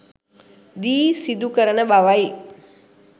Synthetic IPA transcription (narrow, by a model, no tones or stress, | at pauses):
diːsid̪ukəɾənəbaʋai